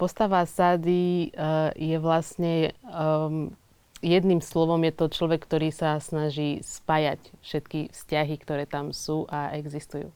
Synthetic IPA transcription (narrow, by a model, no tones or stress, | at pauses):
pɔst̪aʋasaːd̪i | jɛʋlasɲɛ | jɛd̪nimslɔʋɔmjɛt̪ɔt͡ʃlɔʋɛkːt̪ɔɾiːsasnaʒiːspaːjacfʃɛt̪kifscaɦikt̪ɔɾɛːt̪amsuːʔaʔɛɡzist̪ujṵː